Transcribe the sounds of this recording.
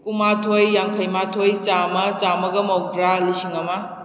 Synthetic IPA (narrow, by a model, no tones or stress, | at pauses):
kumatʰojːaŋkʰɐjmatʰojt͡ʃamɐt͡ʃamɐɡɐmawɡɾalisiŋɐmɐ